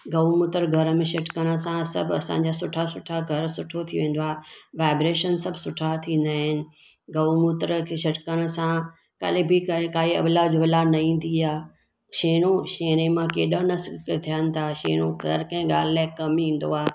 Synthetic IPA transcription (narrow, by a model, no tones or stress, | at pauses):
ɡɐʋmʊt̪əɾɡʱɐɾəmẽʃɐʈkəɽ̃ə̆sãsɐ̰bʱɐsã̰ːɲd͡ʑaːsʊʈʰasʊʈʰaɡʱɐɾsʊʈʰot̪ʰiʋẽːn̆d̪oaːʋaːɪbɾeːʃənsɐbʱsʊʈʰat̪ʰĩːn̆d̪aːɦɪnɪ̆ | ɡɐʋmʊt̪ɾəkʰeʃɐʈkəɽ̃ə̆sã | kɐ̰ɗɪbikkaːiɐ̰blaːd͡ʑʋɪlanɐĩːn̆d̪iaː | ʃeːɽ̃oʃeːñemãkeːɗənɐskt̪ʰijənɪ̆t̪ʰaʃḛːɽ̃oɡʱɐɾkɐ̃ɦɪ̃ɠaːl̤ɪlaːkɐmĩːn̆d̪o̰aː